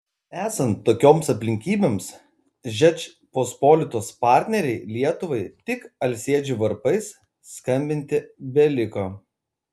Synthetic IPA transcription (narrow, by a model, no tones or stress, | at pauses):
æːsɐnt̪ːoːkʲoːmsɐpʲlʲɪŋʲkʲiːbʲeːms | ʒʲɛt͡ʃʲ | pospoːlʲɪt̪oːspɑˑɾʲt̪ʲnʲɛɾʲɛɪlʲiɛt̪ʊʋɐɪt̪ʲɪkɐlʲsʲeɛd͡ʒʲʊʋɐɾpɐɪsː | kɐmʲbʲɪnʲt̪ʲɪbʲɛlʲɪkoː